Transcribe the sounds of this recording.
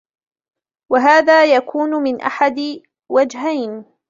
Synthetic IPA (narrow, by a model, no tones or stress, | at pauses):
waɦaːðaːjakʰuːnʊmɪnʔa̰ħad̪ɪ | wad͡ʒɦajn